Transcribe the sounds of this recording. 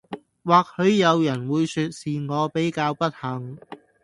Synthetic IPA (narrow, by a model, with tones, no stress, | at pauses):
waː˨k̚hɵ˨˧ɥjɐ˨˧wjɐ˨˩nwuː˨˧jsyː˧t̚siː˨˩ŋɔː˨˧pe˨˥jkaː˧wpɐ˥t̚hɐ˨˩ŋ